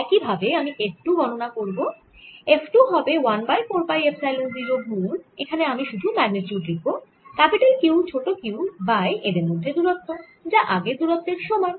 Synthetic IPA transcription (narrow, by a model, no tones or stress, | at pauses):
ɛkibʱabeamiʔef̚ʈuɡʱɔnonakoɾbo | efʈuɦɔbewanbajpoɾpajepsajlond̪iɾoɡ̚mulekʰaneamiʃud̪ʱumɛɡnet͡ɕuʈɾik̚bo | kɛpiʈalkewt͡ɕʰoʈokewbajʔed̪eɾmod̪ʱːed̪uɾot̪ːo | d͡ʑaʔaɡed̪uɾot̪ːeɾʃɔmɔj